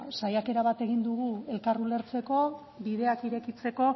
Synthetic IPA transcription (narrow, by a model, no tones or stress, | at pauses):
sajake̞ɾaβ̞at̪e̞ɣ̞ind̪uɣ̞ue̞lkarule̞ɾt͡se̞ko̞ | biðe̞akiɾe̞kit͡se̞ko̞